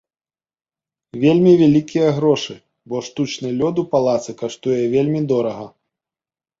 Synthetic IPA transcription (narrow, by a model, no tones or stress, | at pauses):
vʲelʲmʲivʲalʲikʲijɐɣɾɔʂɨ | bɔʂt̪ut͡ʂnɨlʲɔd̪upalˠat̪sɨkaʂt̪ujɛvʲelʲmʲid̪ɔɾɐɣɐ